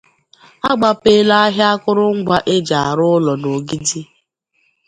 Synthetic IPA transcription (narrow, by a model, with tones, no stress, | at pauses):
a˦ɡ͡ba˨peː˦la˦ɦja˦kʊ˦ɾʊ˦ŋ̩˦ɡʷa˦ʔe˦d͡ʒa˨a˨ɾʊ˦lɔ˨no˨ɡi˦di˦